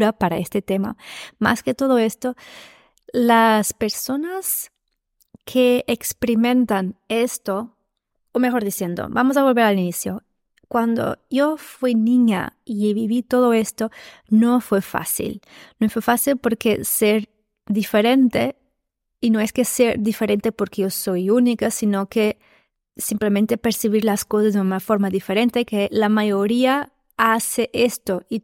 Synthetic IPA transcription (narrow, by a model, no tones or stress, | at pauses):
ɾapaɾaest̪et̪ema̰ma̰sket̪o̞ðoe̞st̪o̞ | laspe̞ɾso̞nas | kʰeːkspeɾimẽ̞nt̪ane̞st̪o | omexo̞ɾðisje̞nd̪o̰bamos̬aβ̞olβe̞ɾalinisjo | kwand̪o̰ʝo̞fwinĩɲa̰iβiβit̪o̞ðoest̪onofwe̞fa̰sḭlnofwefasilpo̞ɾkeseɾ | ðifeɾent̪e | inoeskeseɾðife̞ɾe̞nt̪epo̞ɾkeʝo̞so̞junikasinoke | simplemẽnt̪e̞peɾsiβ̞iɾlaskosazðeunafo̞ɾmaðife̞ɾent̪ekelamajo̞ɾia | aseʔest̪oi